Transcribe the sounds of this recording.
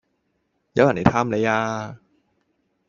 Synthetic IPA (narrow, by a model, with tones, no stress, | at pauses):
jaː˧˦˥wa˨˩ni˨˩˦t̪ʰa˧˥˨mla˨˦jaː˧